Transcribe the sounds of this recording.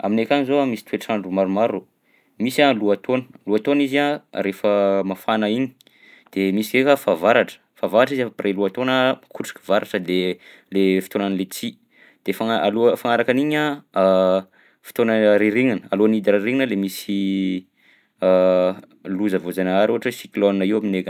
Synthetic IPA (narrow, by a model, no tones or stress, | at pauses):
a̰minekʲanizoamisi̥t̪ʰueʈ͡ʂaɳɖ͡ʐumaɾumaɾu | misaluat̪ʰonə̥luat̪onizarefəmafanaiɲi̥ | d̪̥emisikekafavaɾaʈ͡ʂə̥favaɾaʈ͡ʂizefpreluat̪onəmakʰuʈ͡ʂi̥kʲi̥vaɾaʈ͡ʂəd̪e | lefi̥t̪onanilet͡si | d̪̥efaaalufaŋaɾakaniɲa | fi̥t̪onəɾiɾiŋinəaluanid̪iɾiɾiŋinəlemisi | luzəvozanaaɾuɦaʈ͡ʂəsikloninəiwaminekə